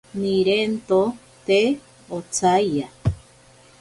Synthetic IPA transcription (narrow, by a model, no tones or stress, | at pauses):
niɾent̪o | t̪e | ot͡sajja